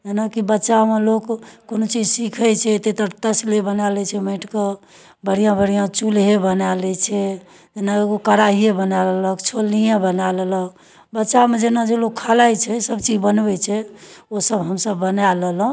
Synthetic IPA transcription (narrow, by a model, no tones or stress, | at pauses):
d͡ʒenakibətːʃamelokːonot͡ʃid͡ʒsikʰət͡ʃʰɛt̪et̪əɾt̪əslebənalɛt͡ʃʰɛmə̃ʈʰke | bəɽ̤ijãbəɽijãt͡ʃulɦebənalɛt͡ʃʰɛ | d͡ʒenaeokəɾaɦijẽbənaleləkt͡ʃʰolnijẽbənalelək̚ʰ | bətːʃamed͡ʒenad͡ʒelokʰːalajt͡ʃʰɛsəbt͡ʃid͡ʒbənbɛt͡ʃʰɛosəbɦəmsəbːənalel̃